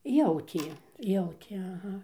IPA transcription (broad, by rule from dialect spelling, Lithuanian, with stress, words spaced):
ˈjɛʊtʲiɛ ˈjɛʊtʲeː ɐˈɣɐ